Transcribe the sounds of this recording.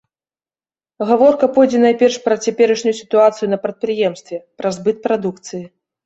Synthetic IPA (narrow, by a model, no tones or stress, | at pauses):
ɣavɔrkɐpɔjd͡zʲɛnajpʲɛrʂpɾɐt͡sʲapʲɛɾɨʂnʲujusʲi̥t̪uat̪sɨjunɐpɾɐt̪̚pɾɨjɛmst̪vʲɛpɾɐzbɨt̪̚pɾad̪ukt̪sɨji